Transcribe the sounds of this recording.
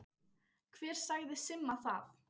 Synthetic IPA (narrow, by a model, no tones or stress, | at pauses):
kʰv̥ɛːɾ̥saɣðɪsɪmːaθaf